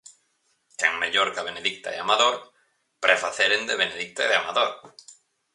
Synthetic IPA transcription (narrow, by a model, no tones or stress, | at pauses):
kḛŋmeʎoɾkaβeneðik̚t̪a̰ḛamaðoɾ | pɾʔefaθeɾend̪eβ̞eneðik̚t̪aeðeamaðoɾ